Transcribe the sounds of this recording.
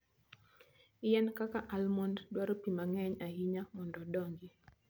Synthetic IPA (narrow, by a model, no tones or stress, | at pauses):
ijɛnkakaʔalmɔnddwaɾopimaŋɛɲahiɲamɔndɔɗɔŋɡi